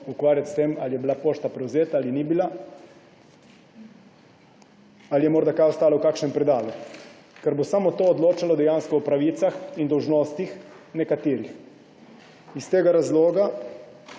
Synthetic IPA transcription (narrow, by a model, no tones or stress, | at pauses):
ukʋaːɾjat̪st̪emalijɛbilapoːʃt̪apɾɛwzeːt̪aalinibila | alijɛmoːɾd̪akajɔst̪aːlawkaːkʃnɛmpɾɛd̪aːlɛku | kɛɾbosamot̪oːd̪loːt͡ʃalɔd̪ɛjaːnskɔɔpɾaʋiːt̪saxind̪ɔwʒnoːst̪ix | nɛkat̪iːɾix | ist̪eːɡaɾazloːɡa